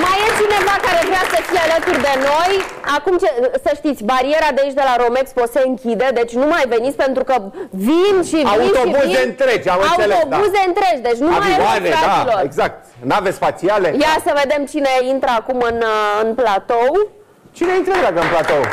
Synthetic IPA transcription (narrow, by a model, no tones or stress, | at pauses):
majest͡ʃine̞vakaɾe̞vɾeasəfijealət̪urd̪e̞no̞jakumt͡ʃesəʃt̪it̪sʲbaɾie̞ɾad̪eit͡ʃd̪elaɾo̞me̞kspose̞ɨŋkʲid̪e̞d̪e̞t͡ʃʲnumajve̞nit̪sʲpe̞nt̪ɾukəvinʃivaiut̪oiuzent̪ɾed͡ʒamɨnauseleobuze̞ɨnt̪ɾe̞d͡ʒʲd̪e̞t͡ʃʲnumajeaneailoreɡzak̚t̪̚ | navespasiale̞jasəve̞d̪e̞mt͡ʃine̞int̪ɾəakumɨnɨnplat̪o̞w | t͡ʃine̞int̪ɾədaɡəɨnplat̪ow